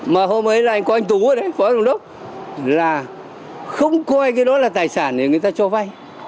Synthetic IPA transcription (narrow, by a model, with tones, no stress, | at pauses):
maː˨˩ɦo˧mʔə˨˦jlaː˨˩ʔa˧jŋ̟kɔ˨˦ʔa˧ŋ̟t̪u˨˦əː˨˧˦ɗə˨˦jfɔ˨˦zə˧˩ŋ͡mɗə˦˥k͡p̚ | laː˨˩ | xə˧wŋ͡mkɔ˧a˧jk̬aː˨˦jɗɔ˨˦laː˨˩t̪aː˨˩jsaː˧˩nɗe˨˩˨ŋɨ˨˩əjt̪aː˧t͡ɕɔ˧va˧j